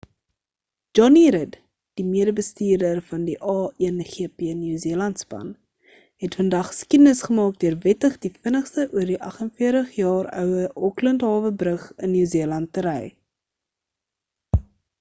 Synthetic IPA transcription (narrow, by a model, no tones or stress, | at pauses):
d͡ʒɔniɾəd | d̥imiədəbəstiːrdərfɐndiʔɑːiənχiəpeəniːziəlɐntspɐ̰n | ɦɛtfəndɐχːə̥skidənəsχəmɑːk̚døərvɛtəχdifiənəχstəʔuərdiʔɐχənfiərtəχjɑːrœ̰wəʔɔkləntɦɑːvəbrəχənːyːziəlɐnt̚ːəɾɛj